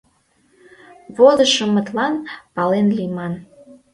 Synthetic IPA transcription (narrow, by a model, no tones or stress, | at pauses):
βolə̆ʃə̆mə̆t̪lɑnpɑlenlimɑn